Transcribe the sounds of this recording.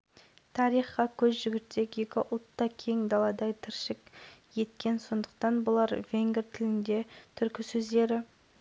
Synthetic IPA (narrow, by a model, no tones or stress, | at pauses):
t̪ʰɑɾijχqɑkʲʰɵzʒʏɡʲɪt̪ːe̞kʲjekʲɪʔʊlˠt̪ːɑkʲʰe̞ŋd̪ɑlˠɑd̪ɑjt̪ʰɪɾʃɪkje̞t̪kʲe̞nso̞nd̪ə̥qt̪ɑnbʊlˠɑɾvʲe̞ŋɡʲɪɾt̪ʰɪlɪnd̪e̞t̪ʰʏɾkʲɪsɵzd̪e̞ɾɪ